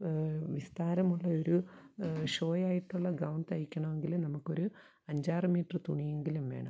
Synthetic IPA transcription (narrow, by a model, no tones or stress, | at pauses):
ʋist̪aːɾɐmuɭːɐoɾu | ʂo̞ːjaːjiʈːuɭːɐɡɐwɳɖɐjikʲːɐɳɐme̞ŋɡilunɐmukːo̞ɾu | ɐɲd͡ʑaːrɨmiːʈːrɨt̪uɳije̞ŋɡilumʋeːɳɐ̰m